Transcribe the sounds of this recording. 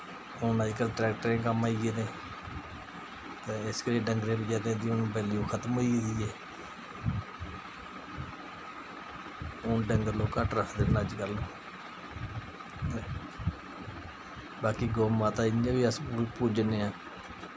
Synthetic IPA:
ʊnəd͡ʒkəlʈɾɛːk̚ʈəɾẽːk̬əmaːiɡeːd̪eː | t̪eːɪskəɾiːɖəŋɡɾẽːpəd͡ʒaːd̪ẽːd̪iːoñːbɛːlijoːkʰət̪moied̪iːeː | ʊnɖəŋɡəɾloːkaʈɾəkʰd̪eːnəd͡ʒkəlõː | t̪eː | baːkiːɡoːmãːt̪aːɪãːʋiːəspuːd͡ʒneːãː

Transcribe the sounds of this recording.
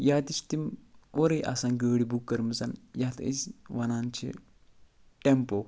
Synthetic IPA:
jaːt̪isʰt̪imoɾɐjʔa̰sãːŋɡəːɽibukːɐɾmisɐnjaːt̪ʰḭsʋɐnaːnt͡ʃʰḭ | ʈempo

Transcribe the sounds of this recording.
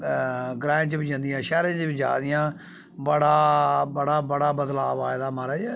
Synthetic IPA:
ɡɾãːt͡ʃbid͡ʒə̃nd̪ijãːʃɛːɾẽːt͡ʃbiːd͡ʒa̰ːd̪ɪjãː | bəɽaːbəɽaːbəɽaːbəd̪laːʋaːɪd̪aːməɾɛːd͡ʒɛː

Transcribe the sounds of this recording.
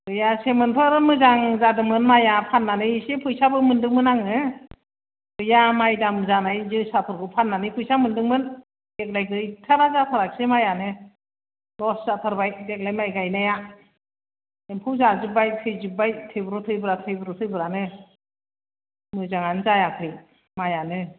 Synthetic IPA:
ɡɯjasemɯnpʰɯɾɯmɯzaŋzadɯmɯnmajapʰanːanɯsepʰɯjsabɯmɯndɯŋmɯnaŋɯ | ɡ̥ɯjamajdamɯzanajzɯsapʰɯɾɡɯpʰanːanɯpʰujsamɯndɯŋmɯn | dek̬̚lajɡɯjtʰaɾazatʰaɾak̚semajanɯ | lɔszatʰaɾbajdek̚lajmajɡajnaja | empʰɯwzazɯbajtʰɯjzɯbajtʰɯjbɯɾɔtʰɯjbɯɾatʰɯjbɯɾɔtʰɯjbɯɾanɯ | mɯzaŋanzajakʰɯj | majanɯ

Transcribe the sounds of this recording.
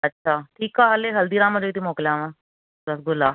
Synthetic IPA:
ɐtːʃʰaːʈʰiːkaɦɐleɦɐld̪iːɾaːmɐd͡ʒoit̪imoːklejãʋãː | bɐsɡʊlaː

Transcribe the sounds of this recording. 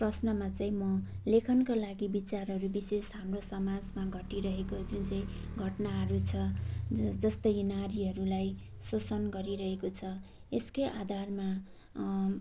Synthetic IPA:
prʌsnʌmat͡sʌĩmʌlekʰʌnkolaɡibit͡sarɦʌɾubisesɦamrosʌmad͡zmaɡʱʌʈiɾʌɦekod͡zunt͡sʌĩɡʱʌʈnaɦʌɾut͡sʰʌ | d͡zʌst̪ʌjnaɾiɦʌɾulajsot͡sʌnɡʌɾiɾʌɦekot͡sʰʌ | eskeʔad̪ʱarma

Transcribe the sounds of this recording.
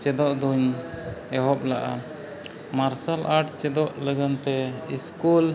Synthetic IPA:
t͡ʃɛd̪ɔʔd̪uɲɛɦɔp̚laʔa̰ | maɾsalʔaʈt͡ʃɛd̪ɔʔləɡant̪ɛiskul

